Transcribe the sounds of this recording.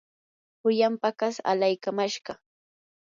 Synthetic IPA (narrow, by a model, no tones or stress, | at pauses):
hʊjampakasa̰lajkamaʃɢɑ